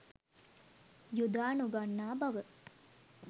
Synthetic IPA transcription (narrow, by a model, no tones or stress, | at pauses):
jud̪aːnuɡanːaːbɐʋə